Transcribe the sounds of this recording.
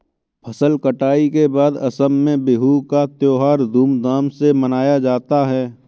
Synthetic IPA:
pʰɐsəlkəʈaːikebaːd̪ɐsəmːẽbeɦukat̪joːɦaːɾd̪ʱuːmd̪aːmsemɐnaːjad͡ʒaːt̪aɦɛː

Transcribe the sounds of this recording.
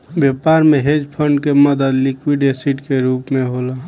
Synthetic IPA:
bjepaːɾmẽɦed͡ʒpʰəɳɖkeməd̪əd̪likwiɖesiʈkeɾuːpmẽɦola

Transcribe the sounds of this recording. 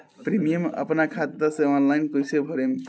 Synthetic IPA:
pɾimijəmə̰pnakʰat̪t̪asẽɔnlajnkojsebʱʌɾem

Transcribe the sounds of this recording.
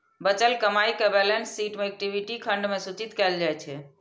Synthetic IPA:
bət͡ʃəlkəmaikebɛlensːiʈmeɛk̚ʈibʱiʈikʰəɳɖmesut͡ʃit̪kɛld͡ʒajt͡ʃʰɛ

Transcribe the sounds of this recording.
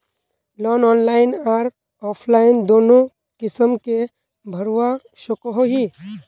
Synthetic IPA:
lɔːnɔːnlaːɪnaːɾ | ɔːpʰlaːɪnd̪oːnõ | kɪsəmke | bʱəɾuʋa | ʃokɦoɦi

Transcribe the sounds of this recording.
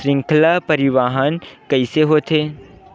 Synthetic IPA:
ɾɪ̃ŋkʰlapɐɾɪʋaːɦənkɐɪseɦoːt̪ʰeː

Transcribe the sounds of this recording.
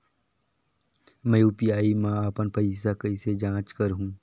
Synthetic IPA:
mɛjuːpiaːimãaːpənpəisakɐɪsed͡ʒãːt͡ʃkəɾɦũː

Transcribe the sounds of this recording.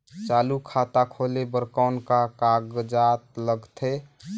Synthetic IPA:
t͡ʃaːlukʰat̪akʰolebəɾkaʊnkakaɡd͡ʒat̪̚ləɡt̪ʰe

